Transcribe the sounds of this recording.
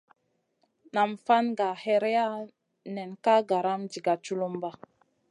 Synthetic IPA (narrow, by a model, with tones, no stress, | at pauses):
na˨mfa˦nɡa˨he˦ɾe˦ja˦ | ne˨nka˦ɡa˨ɾa˦md͡ʒi˨ɡa˨t͡ʃu˦lu˦mba˦